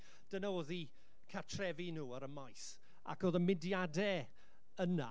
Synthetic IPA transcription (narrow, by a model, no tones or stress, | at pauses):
d̥ənaoːði | kʰatʰrɛvinuːəɾəmajs | a̰koːðənmɪdjadɛ | əna̰